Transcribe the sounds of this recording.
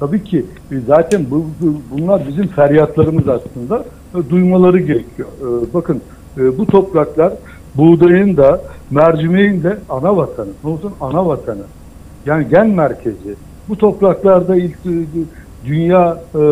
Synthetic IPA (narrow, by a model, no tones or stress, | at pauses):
t̪ʰabiːcʰi | zaːt̪ʰænbubunlˠaɾbizimfæɾjat̪lˠaɾɯmɯzaslˠɯnd̪a | d̪ujmalˠaɾɯɟe̞ɾecʰijobakʰɯnː | but̪ʰo̞pɾaklˠaɾ | buːd̪ajɯnd̪amæɾd͡ʒimejind̪ɛanavat̪ʰanɯnolˠsunanavat̪ʰanɯ | jaːniɟænmæɾcʰe̞zɪ | but̪ʰo̞pɾaklˠaɾd̪ailʲc | d̪ynjaː